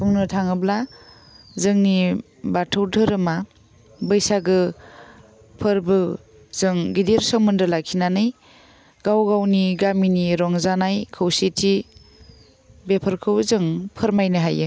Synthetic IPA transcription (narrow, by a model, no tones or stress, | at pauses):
buŋnɯtʰaŋɯbla | zɯŋni | batʰɯwdɯɾɯma | bɯjsaɡɯ | pʰɯɾbɯ | z̥ɯŋɡideɾsɯŋmɯndɯlakʰinanɯj | ɡ̥awɡawniɡaminiɾɔŋzanajkʰɯwsetʰi | bepʰɯɾkʰɯwzɯŋpʰɯɾmajnɯɦajɯ